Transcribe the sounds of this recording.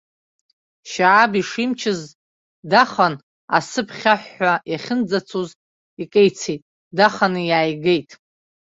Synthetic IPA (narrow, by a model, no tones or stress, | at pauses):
ʃaʕabiʂimt͡ʃʰɪz | daχan | a̰sɨpʰχʲaħːajaχʲɪnd͡zat͡sʰoz | ikʼejt͡sʰejtʼ | daχanɨjaːjɡejtʼ